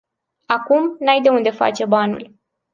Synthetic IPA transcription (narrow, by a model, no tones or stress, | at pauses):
akumnajd̪e̞und̪e̞fa̰t͡ʃe̞banṵl